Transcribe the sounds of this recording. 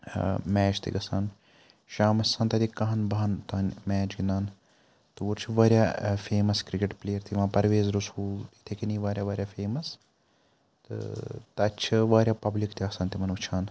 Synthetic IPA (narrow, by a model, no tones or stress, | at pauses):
mɛːt͡ʃʰt̪ʰḭɡɐsaːn | ʃaːmɐsãːnt̪ɐt̪ikːɐɦnbɐɦɐnt̪aːnmɛːt͡ʃɡind̪aːn | t̪uːɾt͡ʃʰiʋaːɾʲjaːfeːmɐskɾikeʈpleːjɐɾt̪ʰiʋãːpɐɾʋeːzɾushuːit̪ʰekiniːʋaːɾʲjaːʋaːɾʲjaːfeːmɐs | t̪ɨ̰t̪ɐt͡ʃʰiʋaːɾʲjaːpɐblikt̪ʰiɐːsaːnt̪imɐnʋut͡ʃʰaːn